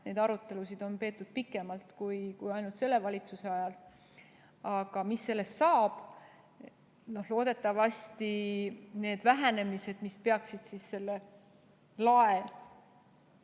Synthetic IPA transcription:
ne̞ːd̪ɑɾut̪ˑːe̞lusid̪̥o̞npe̞ːt̪ːˑud̪̥̚pikːˑe̞mɑlt̪kujkujɑjnult̪se̞lːe̞vɑlʲit̪suse̞ɑjɑl | ɑɡ̥ɑmisːe̞lːest̪sɑːb̥ | no̞hlo̞ːd̪̥e̞t̪ːˑɑvɑsʲt̪ine̞ːd̪̥væɦæne̞mise̞d̪̥mispe̞ɑksid̪̥sisse̞lːe | lɑel

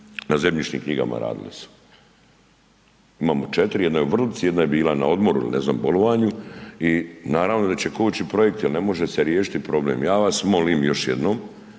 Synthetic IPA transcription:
naze̞mʎit͡ʃɲḭmkɲiɡa̰ma̰ɾa̰ːd̪ḭlḭsu̥ | imaːmot͡ʃet̪ɾijed̪nojeuʋr̩lit̪sijed̪najebiːlana̰o̞d̪mo̞ɾuḭlinezna̰ːmbo̞lo̞ʋaːɲuinaːɾaʋno̞d̪at͡ɕe̞kout͡ɕipɾo̞je̞k̚t̪jilne̞mo̞ʒeseɾjeːʃi̥t̪ipɾo̞blḛːmjaːʋasmo̞limjo̞ʃjḛd̪nom

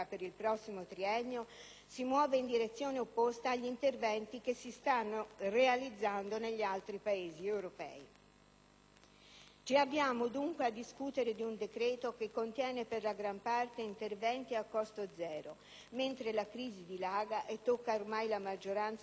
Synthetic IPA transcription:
apeɾilpɾɔsːimot̪ɾiɛɲːo | simwɔːveind̪iɾet̪sːjoːneopːost̪aːʎːint̪ervɛnt̪ik̟esːist̪anːorealid̪zːand̪oneʎːialt̪ɾipaeːziewɾopɛ̰i | t͡ʃiabːjaːmod̪uŋkwead̪ːiskut̪eɾed̪iund̪ekɾɛːt̪okekːont̪jɛːneperlaɡɾampart̪eint̪ervɛnt̪iakːɔst̪od̪zɛːɾo | ment̪ɾelakɾiːzid̪ilaːɡaʔet̪ːokːaormajlamad͡ʒːoɾant̪s

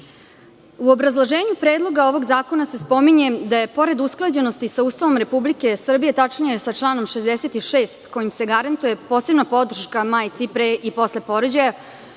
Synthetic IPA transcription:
uobɾazlˠoʒe̞ːɲupɾeːd̪lˠo̞ɡao̞ʋo̞ɡzaːko̞nase̞spo̞miɲe̞d̪aje̞po̞ɾe̞d̪usklˠad͡ʑe̞nost̪isauːst̪aʋo̞mɾe̞publike̞sr̩bije̞t̪at͡ʂɲijesat͡ʂlˠaːnomʃezd̪ese̞t̪iʃeːst̪ko̞jimse̞ɡaɾant̪uje̞po̞ːse̞bnapo̞d̪r̩ʃkamaːjt̪sipɾeʔipo̞sle̞po̞ɾod͡ʑaja

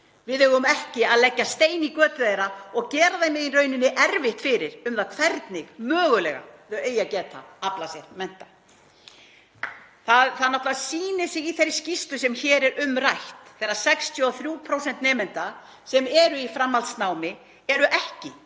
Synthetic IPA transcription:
vɪðhʏɣʏmɛhcɪaðlɛcːast̪eːjnikœːt̪ʏejɾaɔɣcɛːɾaðejmɪðirœɥnɪnːɪʔɛɾvɪht̪fɪɾɪɾʏmθaðkʰvɛɾt̪nɪɣmœːɣʏlɛ̰ɣa̰ɛeːjacɛːt̪ʰa̰aplasjɛɾmɛn̥t̪ḁ | θaðθaðnaht̪lavasiːnɪsɪiθerscist̪lʏsɛmçɛːɾɛɾʏmrajht̪θɛrːasɛkst̪ʰjɔɔθɾjuːpʰɾowsɛnt̪nɛːmɛnt̪a | sɛmɛɾʏifɾamːalt̪snaːwmɪ | ɛɾʏʔɛhcɪ

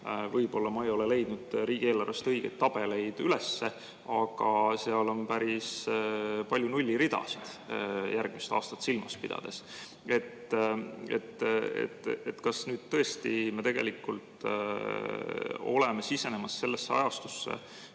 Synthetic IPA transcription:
vɤjb̥o̞lːɑmɑejo̞lele̞jd̪̥nud̪̥ɾiːɡ̥ieːlɑrvest̪ɤjɡ̥e̞̰t̪ːɑb̥e̞le̞jd̪̥ylesːe̞ | ɑɡ̥ɑseɑlo̞npæɾis | pɑlʲjunulʲːiɾid̪̥ɑ̰sid̪̥jʔærɡ̥mist̪ɑ̰ːst̪ɑ̥t̪ːsilmɑspid̪ɑ̰d̪̥e̞s | e̞t̪ː | ḛt̪ːḛt̪ːet̪kɑsnyːd̪̥̚t̪ːɤ̞e̞st̪ime̞t̪e̞ɡ̥e̞̰likːˑult̪ | o̞̰le̞mesise̞ne̞mɑsːe̞lːesːeɑ̰jɑst̪u̥sːe̞̰

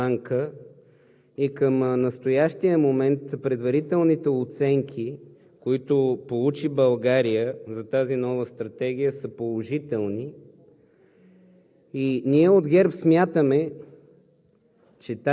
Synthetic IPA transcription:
aŋkə | ikəmnəst̪ojaʃt̪ijəmomɛnt̪pɾɛd̪vɐɾit̪ɛlˠnit̪ɛot̪sɛŋkʰi | koit̪ʊpolˠut͡ʃibɐlˠɡaɾijəzɐt̪azinɔvəst̪ɾɐt̪ɛɡ̟ijəsəpolˠoʒit̪ɛlˠni | iniɛod̪ɡɛɾpsmʲjat̪əmɛ | t͡ʃɛt̪a

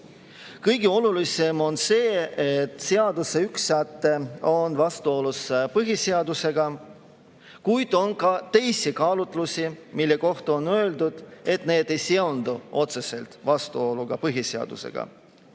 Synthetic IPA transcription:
kɤjɡeo̞lulise̞mo̞nse̞ːet̪ːˑseɑd̪useyksːæt̪ˑːeo̞nvɑst̪uo̞luspɤɦiseɑd̪use̞ɡ̥ɑ | kujd̪̥o̞nkɑt̪e̞jsikɑːlut̪ˑlusimilːe̞ko̞ht̪o̞nø̞ːld̪ud̪̥e̞t̪ne̞ːd̪e̞jseo̞nd̪̥uo̞t̪se̞se̞lt̪vɑst̪uo̞luɡ̥ɑpɤɦiseɑ̰d̪̥ṵse̞̰ɡ̥ɑ̰

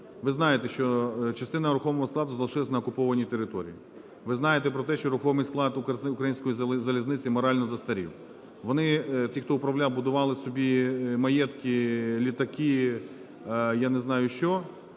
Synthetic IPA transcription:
ʋɪznɑjet̪ɛʃt͡ʃɔt͡ʃɐst̪ɪnɐɾʊxɔmɔɦɔsklˠɑd̪ʊzɐlˠɪʃɪlɐsʲnɐːkʊpɔʋɐnʲit̪eɾɪt̪ɔɾʲḭji | ʋɪznɑjet̪ɛpɾɔt̪ɛʃt͡ʃɔɾʊxɔmɪjsklˠɑd̪kʊkɾɐjinʲsʲkɔjizɐlʲiznɪt͡sʲɪmɔɾɑlʲnɔzɐst̪ɐɾʲḭw | ʋɔnɪt̪ʲixt̪ɔʊpɾɐʋlʲawbʊd̪ʊʋɑlˠɪsɔbʲimɐjɛt̪kʲɪlʲit̪ɐkɪ | janeznɑjʊʃt͡ʃɔ

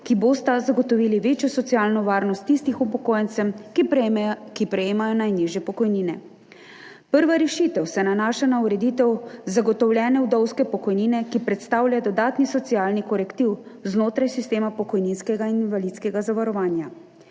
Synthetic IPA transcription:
kiboːst̪azaɡɔt̪ɔʋiːliʋeːt͡ʃjɔsɔt̪siaːlnɔʋaːɾnɔst̪ːist̪ixupɔkoːjɛnt̪sɛm | kipɾɛjeːmajɔnajniːʒjɛpɔkɔjniːnɛ | pəɾʋaɾɛʃit̪ɛwsɛnanaːʃanauɾɛd̪iːt̪ɛwzaɡɔt̪ɔwlʲɛːnɛwd̪ɔwskɛpɔkɔjniːnɛkipɾɛt̪st̪aːwlʲjad̪ɔd̪aːt̪nisɔt̪sijaːlnikɔɾɛkt̪iwznoːt̪ɾajsist̪eːmapɔkɔjninskɛɡaininvalit̪skɛɡazaʋaɾɔʋaːnja

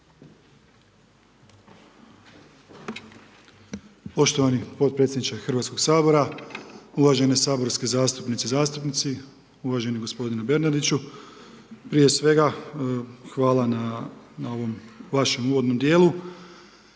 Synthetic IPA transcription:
po̞ʃt̪oʋanipo̞t̪̚pɾe̞t̪sʲjed̪nit͡ʃexr̩ʋat̪ko̞ɡ̥saːbo̞ɾa | uʋaʒenesaːbo̞ɾskezaːst̪upnit̪izaːst̪upnit̪si | uʋaʒe̞niɡo̞spo̞d̪inube̞ɾnad̪it͡ʃu | pɾije̞sʋe̞ɡa | xʋaːlananao̞ʋo̞mʋaʃe̞muːʋod̪no̞md̪je̞ːlu

